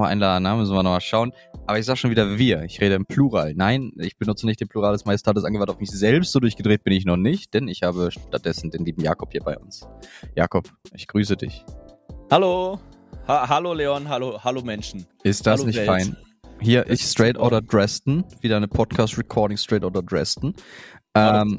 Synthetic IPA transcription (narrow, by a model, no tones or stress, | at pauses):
maʔa̰ɪnlaːdn̩naːmʏsn̩viɐnɔχmalʃaʊən | ʔaːbɐɪçzaːɡəʃoːnviːdɐviːɐɪçʁeːɾəɪmpʰl̥uʁaːlnaɪnɪçb̥ənʊt͡sənɪçt̚d̥eːnmpluʁ̞aːlasmaɪstʰaːəsʔanɡəvantaʊfmɪçz̥ɛlpstz̥oːdʊɐçɡ̥ədʁeːt̚b̥ɪnɪç̬nɔχnɪçt̚d̥ɛnɪçhaːbəʃtat̚d̥ɛsn̩deːnliːbm̩ja̰ːkɔphiːɐbaɪʔʊ̰nsja̰ːkʰɔpʔɪçɡ̥ʁyːs̬ədɪ̰çhalo | haɦaloleːɔnɦalohalomɛnʃn̩ | ʔɪst̚d̥asnɪçtfaɪn | hiːɐʔɪsstʁ̥ɛɪtʔɔːɾədʁɛstn̩viːdɐnəpʰɔtkʰaːstʁɛkʰɔɐɾɪŋstʁ̥ɛɪtɔːdɐdʁɛ̰stn̩ʔɛːm